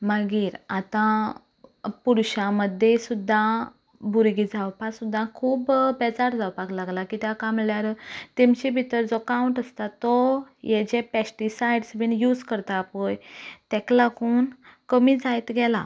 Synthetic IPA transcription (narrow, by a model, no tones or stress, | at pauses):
məɡiːɾat̪ã | puɾɕãməd̪ʱːjesud̪ʱːã | buɾɡid͡zawpasud̪ʱːãkʰuːbbɛd͡zaɾd͡zawpaɡlaɡlakit̪jakamljaɾt̪emt͡ɕibʱit̪əɾd͡zɔkawuɳʈəst̪at̪ːɔjɛd͡ʑepɛsʈisajɖsʋinjuːd͡zkəɾt̪apojt̪ɛklakuːnkəmiːd͡zajt̪ɡɛla